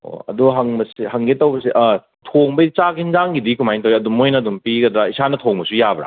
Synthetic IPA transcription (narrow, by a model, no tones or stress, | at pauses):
o̰ɐ̰duɦɐŋbɐsihɐŋɡetɐwbɐsiʔɐ | tʰoŋbɐt͡ʃakʰinzaŋɡidikumajntɐwɾiɐdumːojnɐdumpiɡɐdɾɐisanɐtʰoŋbɐsujabɾa̰